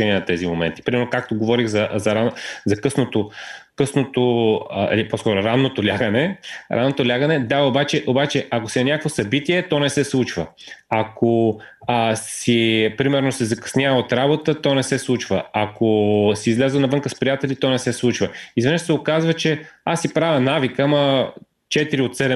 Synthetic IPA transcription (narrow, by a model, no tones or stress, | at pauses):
ɛniɛnɐt̪ɛzimomɛ̰nt̪i̥pɾimɛɾnokak̚t̪oɡovɔɾixzɐzɐɾazɐkɤsnot̪okɤsnot̪oɛ̰liposkɔɾʊɾanːot̪olʲaɡənɛɾʔanːot̪olʲaɡənɛd̪aobat͡ʃɛʔobat͡ʃɛʔak̬osinɐnʲakkvosɐbit̪iɛt̪ɔnɛsɛslˠut͡ʃvəakʰo | sipɾimɛɾnosɛzɐkɐ̥snʲjavəot̪ɾabot̪ət̪ɔnɛsɛslˠut͡ʃvə̰akosiːzlʲɛzənɐvɤŋkəspɾijat̪ɛlʲit̪ɔnɛsɛslˠut͡ʃvəizvənɛt͡ʃ̪sɛokazvət͡ʃɛasːipɾavʲənavikəmɐ | t͡ʃɛt̪iɾiot̪t̪sɛlɛ